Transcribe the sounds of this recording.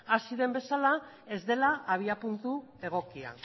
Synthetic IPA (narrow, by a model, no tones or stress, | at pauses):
asiðe̞mbe̞sala | e̞zd̪e̞laːβiapunt̪ue̞ɣ̞o̞kia̰n